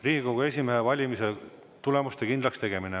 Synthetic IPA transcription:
riːɡiɡowɡ̥ɑe̞sʲimeɦevɑlʲimise̞ | t̪ule̞must̪e̞kind̪lɑkst̪e̞ɡ̥e̞mine

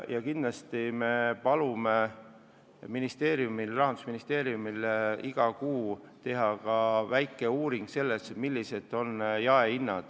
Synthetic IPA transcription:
jɑkinlɑst̪ime̞pɑlume̞ | minist̪e̞ːɾjumilrɑɦɑnd̪u̥sminist̪e̞ːɾijumiliɡ̥ɑkuː | t̪e̞ɦɑkɑvæjkːˑe̞uːɾiŋɡ̥se̞lːe̞smilʲːise̞d̪ˑo̞njɑeinːɑd̪̥

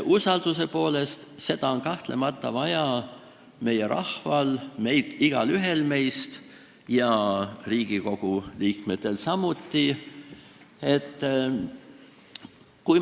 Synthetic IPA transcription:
ʔusɑld̪̥use̞po̞ːle̞st̪se̞d̪̥ɑo̞nkɑht̪le̞mɑt̪ˑːɑvɑjɑ | me̞jeɾɑ̰hvɑlmejd̪iɡ̥ɑlyɦe̞lme̞jst̪ | jɑriːɡ̥iko̞ɡ̥uliːkme̞t̪ːˑe̞lsɑmut̪ːi | e̞t̪ː | kuj

